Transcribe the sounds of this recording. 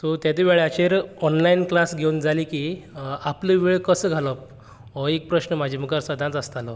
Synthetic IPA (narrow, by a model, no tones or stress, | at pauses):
t̪ot̪jat̪iʋeɭat͡ɕeɾɔnlainklasɡʱewund͡zʱalikiːapləʋeɭkəsəɡʱaləp̚ | ɦɔek̚pɾəɕnəmad͡ʑʱiməkaɾsəd̪ʱãt͡səst̪alɔ